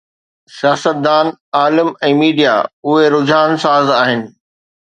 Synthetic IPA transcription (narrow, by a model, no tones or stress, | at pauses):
sijaːsət̪̚d̪aːnaːlɪmɛ̃ːmiːɖijaʊɦeɾʊd͡ʑʱaːnsaːzaːɦɪnɪ̆